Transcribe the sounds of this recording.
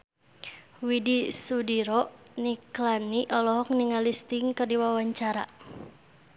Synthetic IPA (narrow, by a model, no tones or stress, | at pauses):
widisudiɾɔʔ | niklaniʔɔlɔɦɔk̚niŋalist̪iŋkɨrdiwawaɲt͡ʃaɾa̰